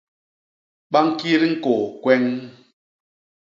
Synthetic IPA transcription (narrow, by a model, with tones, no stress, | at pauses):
ɓa˦ŋ˦ki˦ɾi˦ŋ̩˦ko˨kwɛ˦ŋ